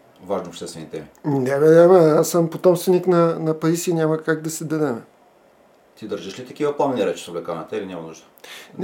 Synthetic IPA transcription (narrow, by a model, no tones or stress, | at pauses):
vaʒniopʃt̪ɛst̪vɛnit̪ɛminɛvɛɾaməasːəmpot̪ɔmst̪vɛniknɐnɐpɐɾisinʲaməkaɡ̚d̪ɐsɛd̪ɐd̪ɛmɛ | t̪id̪əɾʒiʃlit̪ɐkivɐpˠamniɾɛt͡ʃi̥st̪oɡɐkanɐt̪ɛlʲinʲamɐnuʒd̪ən